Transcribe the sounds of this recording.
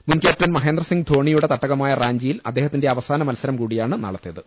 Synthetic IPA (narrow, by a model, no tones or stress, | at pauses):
munkjaːʈʋɐnmɐɦeːnd̪rɐsiŋɡd̪ʱo̞ːɳijuɽe̞t̪ɐʈːɐɣɐmaːjɐraːɲd͡ʑijilɐ̰d̪ːeːhɐt̪ːinde̞ɐʋɐsaːnɐmɐlsɐɾɐmkuːɽijaːɳɨnɐ̰ɭɐt̪ːijɐðɨ